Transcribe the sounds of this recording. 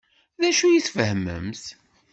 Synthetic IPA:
ðæʃujiθfəhəmːə̰mθ

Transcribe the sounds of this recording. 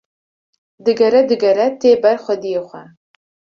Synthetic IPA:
d̪ɨɡɐɾɐd̪ɨɡɐɾɐt̪ʰeːbɐrχʷɐd̪ijeχʷɐ

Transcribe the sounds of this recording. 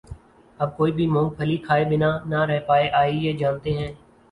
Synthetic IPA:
əb̚koːiːbʱiːmɔ̃ːŋɡ̚pʰəliːkʰaːebɪnaːnaːɾɛɦpaːeʔaːiːjeːd͡ʒaːnt̪eːɦɛ̃ː

